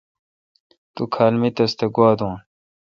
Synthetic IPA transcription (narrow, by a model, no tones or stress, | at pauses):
t̪ukʰaːlmit̪ɐst̪eɡwaːd̪ũːn